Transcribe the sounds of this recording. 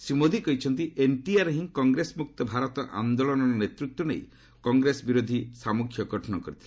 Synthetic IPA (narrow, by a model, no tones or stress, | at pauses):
simod̪ʱikɔɦit͡ʃʰɔnt̪iʔeɳʈiaɾɦĩŋkɔŋɡɾesmuk̚t̪ɔbʱaɾɔt̪ɔʔa̰nd̪oɭɔnɔɾɔnet̪ɾut̪ːwɔnḛj | kɔŋɡɾesɔbiɾod̪ʱisamukʰjɔɡɔʈʰɔnɔkɔɾit̪ʰili